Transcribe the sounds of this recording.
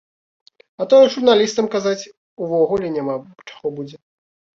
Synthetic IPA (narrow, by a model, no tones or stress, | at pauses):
ɐt̪ɔjɛʐurnalʲist̪ɐmkazat͡sʲ | uvɔɣulʲɛnʲama | t͡ʂḁɣɔbud͡zʲɛ